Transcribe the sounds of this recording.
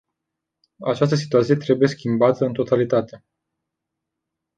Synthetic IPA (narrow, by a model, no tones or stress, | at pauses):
a̰t͡ʃast̪əs̬it̪uat̪sije̞t̪ɾe̞buje̞skʲimbat̪əɨnt̪o̞t̪alit̪at̪e̞